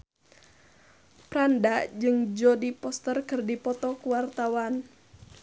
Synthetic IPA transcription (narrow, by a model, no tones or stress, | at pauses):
pɾandad͡ʒɨŋd͡ʒɔdipɔst̪ərkɨrdipɔt̪ɔkuwart̪awan